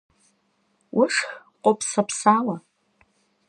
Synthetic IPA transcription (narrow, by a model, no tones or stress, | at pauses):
wʔʊʂx | qʷʼopʰsapʰsala